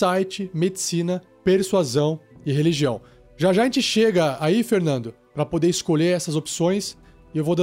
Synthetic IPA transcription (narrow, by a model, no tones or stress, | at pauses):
ajt͡ʃɪmed͡ʒɪsĩnɐ | peɾsuazɐ̃w̃ɪɦeliʒiɐ̃w̃ | ʒaʒaʒẽt͡ʃɪʃeɡɐaifeɾnɐ̃nd̪ʊ | pɾɐpod̪eɾɪskoʎeɾɛsɐzopsõj̃s | ɪewvod̪